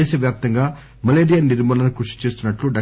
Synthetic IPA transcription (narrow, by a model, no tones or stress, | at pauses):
eːsɐʋjaːp̚t̪ɐŋɡaː | mɐleːɾijaniɾmɐːlɐnɐkɾuʂi̥t͡ʃe̞ːst̪unːɐʈluɖɐ